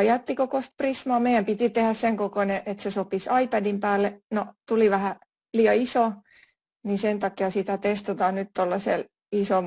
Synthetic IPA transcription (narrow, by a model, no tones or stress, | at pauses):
ɑjɑt̪ːikokost̪̚prismɑːmeijæmpit̪it̪ehæsseŋkokoneʔet̪sesopisɑipædimpæːlːenot̪uliʋæhæ | liːɑiso | nisent̪ɑkiɑsit̪æt̪est̪ɑt̪ɑːnnyt̪t̪olːɑsḛl | isom